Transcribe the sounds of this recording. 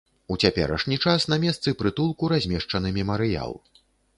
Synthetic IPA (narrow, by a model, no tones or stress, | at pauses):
ut͡sʲapʲɛ̰ɾɐ̰ʂnʲit͡ʂasnɐmʲɛst̪sɨpɾɨt̪ulˠkuɾazʲmʲɛʂt͡ʂɐnɨmʲɛmɐɾɨja̰lˠ